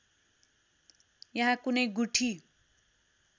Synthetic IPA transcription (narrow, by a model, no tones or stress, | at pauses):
jʌɦãkunʌjɡuʈʰi